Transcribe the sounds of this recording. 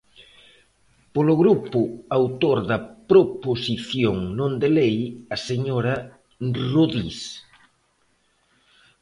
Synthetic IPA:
polʊɣɾupʊawt̪oɾðɐpɾoposiθjoŋnõnd̪elejɐseɲoɾɐ | ruðḭs

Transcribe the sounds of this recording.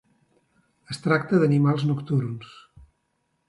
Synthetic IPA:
əst̪ɾak̚t̪əðənimalˠznukt̪urns

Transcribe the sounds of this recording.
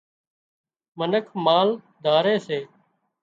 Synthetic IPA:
mənəkʰmaːl | d̪ʱaːɾeːseː

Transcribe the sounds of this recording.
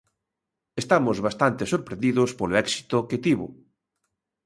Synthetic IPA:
est̪amozβast̪ant̪esoɾpɾẽnd̪iðospoloɛksi̥t̪oket̪iβʊ̰

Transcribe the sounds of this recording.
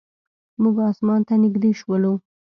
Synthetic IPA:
muɡɑsmɑnt̪anɪɡd̪eʃwəlu

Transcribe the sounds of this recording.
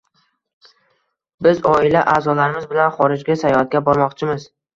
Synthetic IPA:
bɪzɒɪlaʔaːzɒlaɾɪmɪzbɪlanχɒɾɪd͡ʒɡʲasajɒhat̪̚ɡʲabɒɾmɒqt͡ʃʰɪmɪz

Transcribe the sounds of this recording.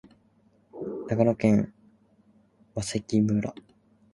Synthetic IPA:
naɡaɾokẽŋ | βasekʲibɯ̟ɾa̰

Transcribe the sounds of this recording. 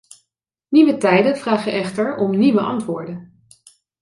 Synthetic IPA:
niʋətɛjdənvraːχəʔɛχtəɹɔmniʋəʔɑ̰ntʋʊːɹdən

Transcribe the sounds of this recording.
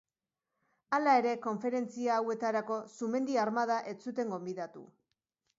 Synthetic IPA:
alae̞ɾe̞ko̞ɱfe̞ɾe̞nt͡siaːwe̞t̪aɾako̞sume̞nd̪iaɾmað̞aʔe̞t͡sut̪e̞ŋɡo̞mbiðat̪ṵ

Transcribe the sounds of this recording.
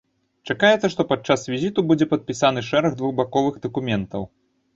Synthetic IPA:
t͡ʂakajɛt̪sɐʂt̪ɔpat͡ʂasvʲizʲit̪ubud͡zʲɛpɐt̪̚pʲisanɨʂɛɾɐɣd̪vuɣbakɔvɨɣd̪ɐkumʲɛnt̪ɐw

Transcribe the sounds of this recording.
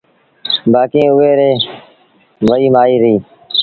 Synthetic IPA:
baːkĩːʊʋeːɾeː | ʋəiːmaːiːɾiː

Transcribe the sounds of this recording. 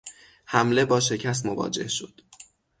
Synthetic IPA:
hæmle̞bɒːʃe̞cʰæs̬t̪movɒ̰ːd͡ʒe̞̰hʃo̞̰d̪̥

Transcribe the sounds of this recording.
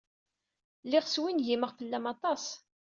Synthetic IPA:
lɪʁswinʝiməʁfəlːæmɑt̪ˤɑs

